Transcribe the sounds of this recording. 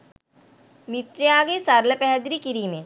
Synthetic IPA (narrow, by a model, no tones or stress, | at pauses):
mɪt̪ɾeaːɡesaːɾləpɛɦɛd̪ɾikiɾimẽ